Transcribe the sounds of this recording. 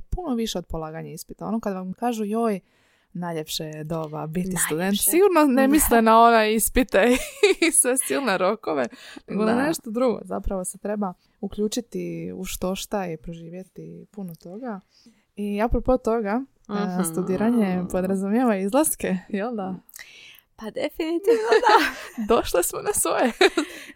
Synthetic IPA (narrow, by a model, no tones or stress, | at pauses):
puno̞ʋiʃeo̞d̪̚polˠaːɡaɲaispit̪ao̞nokad̪ʋamkaːʒujoːj | najʎe̞pʃed̪o̞babit̪ist̪ud̪entt̪siɡuɾnone̞mislenaoneispit̪esʋe̞silˠneɾo̞ko̞ʋeneɡonane̞ʃt̪od̪ɾuɡo̰za̰pɾaʋo̞set̪ɾe̞ba | ukʎuːt͡ʃit̪iuʃt̪o̞ʃt̪aipɾo̞ʒiːʋje̞t̪ipunot̪o̞ɡa | iapɾopot̪o̞ɡa | st̪ud̪iːɾaɲe̞po̞d̪ɾazumjeʋaizlˠaskeijolnd̪a | pad̪efinit̪inod̪d̪o̞ʃlismonasʋo̞je